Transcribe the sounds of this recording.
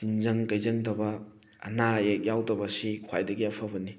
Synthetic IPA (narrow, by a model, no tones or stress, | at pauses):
tinzɐŋkɐjzɐŋtɐbɐ | ɐ̰naek̚jawtɐbɐsikʰwajdɐɡiɐpʰɐbɐni